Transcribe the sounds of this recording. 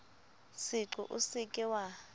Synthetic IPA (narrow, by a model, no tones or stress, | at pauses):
siǀuʔṵsikʼiwa